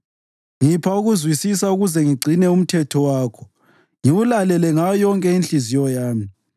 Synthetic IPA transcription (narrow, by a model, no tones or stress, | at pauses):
ŋipʰauɣuzwisisauɣuzɛŋiɡ͡ǀʱinɛum̩tʰɛtʰɔwaːkʰɔ̥ | ŋiwulalɛlɛŋajɔŋkʼɛinɬʼizijɔjaːmi